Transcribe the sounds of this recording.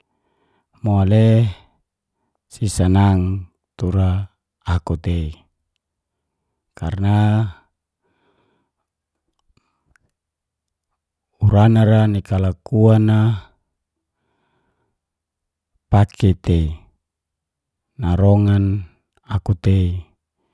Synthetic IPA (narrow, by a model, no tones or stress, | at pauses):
moale | sisanaŋ | t̪uɾaː | kut̪ei | ka̰rna | uɾanaɾanikalakuana | pakʰet̪ei | naɾoŋan | akut̪ei